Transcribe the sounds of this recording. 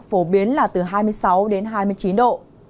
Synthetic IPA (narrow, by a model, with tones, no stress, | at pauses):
fo˧˩ɓi˨˦ənlaː˨˩t̪ɨ˨˩ɦaː˧jmɨ˧əjsa˨˦wɗe˨˦nɦaː˧jmɨ˧əjt͡ɕi˨˦nɗo̰˧˨